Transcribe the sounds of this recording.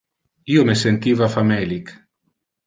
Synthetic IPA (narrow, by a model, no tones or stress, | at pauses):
iːomesent̪iːvafamɛːlik